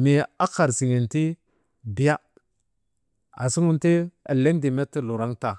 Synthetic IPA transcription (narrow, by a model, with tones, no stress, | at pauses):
mi˨a˦ka˨ɾsi˨ŋi˨nti˦ | bi˨˦ja˦ | a˨si˦ŋu˦nti˦a̰˨le˦ndi˨me˦ti˦lu˨ɾa˦ŋta˨